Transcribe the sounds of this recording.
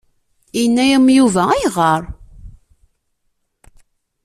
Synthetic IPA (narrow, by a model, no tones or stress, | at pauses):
inːæjəmjuvææjʁəɾˤ